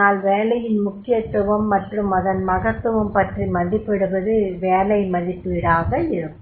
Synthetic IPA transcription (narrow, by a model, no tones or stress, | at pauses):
aːlʋeːlɐjɪnmʊkːɪjɐt̪ːɯʋɐmːɐʈrɯmɐðɐnmɐɣɐt̪ːɯʋɐmpɐʈrimɐðɪpːɪɽɯbɐðɯʋeːlɐɪmɐðɪpːɯɪɽaːɣɐɪɾɯ